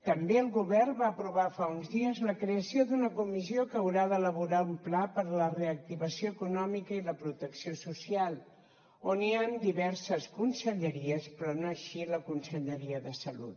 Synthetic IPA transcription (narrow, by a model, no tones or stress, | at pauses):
t̪əmbeəlˠɣuβɛrbaəpɾuβafaunzðiəzləkɾeəsioðunəkumiziokəəːwɾaðələβuɾaumplapəɾləreək̚t̪iβəsioəkunɔmikəiləpɾut̪əksiosusialˠ | oniand̪iβɛɾsəskunsəʎəɾiəspɾɔnoəʃiləkunsəʎəɾiəðəsəlṵt̪